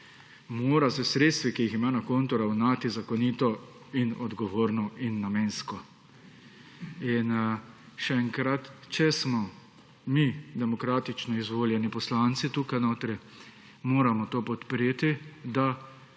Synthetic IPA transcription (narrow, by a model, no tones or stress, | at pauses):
moːɾasɛsɾeːt̪st̪ʋikijiximaːnakoːnt̪uɾawnaːt̪izakɔnit̪ɔ | inɔd̪ɡɔʋoːɾnɔinːameːnskɔ | in | ʃɛɛŋkɾat̪t͡ʃɛsmɔ | mid̪ɛmɔkɾaːt̪it͡ʃnɔizʋoːljɛnipɔslant̪sit̪uːkajnot̪ɾɛ | moːɾamɔt̪oːpɔt̪pɾeːt̪id̪a